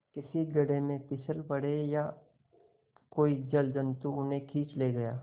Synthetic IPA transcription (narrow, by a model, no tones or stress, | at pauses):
kɪsiɡɐɽemẽpɪsəlpɐɽeja | koːid͡ʒɐld͡ʒɐ̃nt̪uʊnɦẽkʰiːt͡ʃleːɡɐjaː